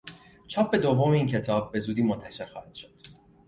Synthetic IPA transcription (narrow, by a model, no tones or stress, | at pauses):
t͡ʃʰɒːp̚ʰbe̞d̪ovomeiːncʰe̞t̪ʰɒːb̚ːe̞zuːd̪iːmont̪ʰæʃe̞ɾxɒːhæd̪̥ʃod̪̥